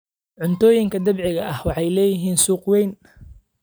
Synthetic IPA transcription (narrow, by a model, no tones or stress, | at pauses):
ʕʊnt̪ʰɔːjɪŋkʰɐd̪ɐbʕɪɣɐʔɐhwɑħɑjlɛːjɪɦiːnsuːqwɛjn